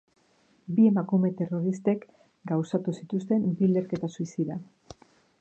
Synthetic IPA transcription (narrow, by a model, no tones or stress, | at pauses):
bie̞makume̞t̪e̞ro̞ɾist̪e̞k | ɡawsat̪usit̪ust̪e̞mbile̞ɾke̞t̪asuisiða